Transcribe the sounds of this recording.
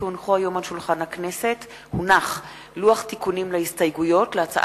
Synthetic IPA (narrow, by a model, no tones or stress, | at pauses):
unχuajo̞malʃulχanhaknese̞t | hunaχ | luaχt̪ikunimlehistajɡujo̞tleat͡sa̰ʔ